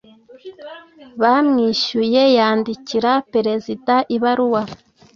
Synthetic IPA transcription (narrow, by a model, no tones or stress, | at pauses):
βamŋiːʃuje̞jaːndiciɾapeɾe̞zidaʔiβaɾuwa